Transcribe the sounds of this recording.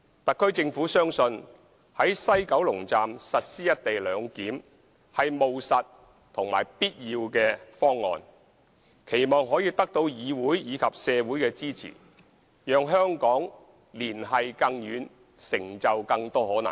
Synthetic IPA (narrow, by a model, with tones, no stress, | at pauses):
t̪ɐ˨kʰːɵ˥ɥt͡sɪ˧ŋfuː˨˥sœː˥ŋsɵ˧n | hɐ˨˥jsɐ˥jkɐ˨˥wlʊ˨˩ŋt͡saː˨msɐ˨t̚siː˥jɐ˥t̚t̪e˨jlœː˨˧ŋkiː˨˥m | hɐ˨jmo˨wsɐ˨t̚ | t̪ʰʊ˨˩ŋmaː˨˩jpiː˥t̚jiː˧wkɛː˧fɔː˥ŋːɔ̰ː˨˧n | kʰe˨˩jmɔː˨ŋɦɔː˨˥jiː˧t̪ɐ˥k̚t̪o˧wjiː˨˧wuː˨˥jjiː˨˧kʰɐ˨p̚sɛː˨˧wuː˨˥jkɛː˧t͡siː˥t͡sʰḭː˨˩ | jœː˨˧ŋɦœː˥ŋkɔː˨˥ŋ | liː˨˩nɦɐ˨jkɐ˧ŋjyː˨˧n | sɪ˨˩ŋt͡sɐ˨wkɐ˧ŋt̪ɔː˥hɔː˨˥nɐ̰˨˩ŋ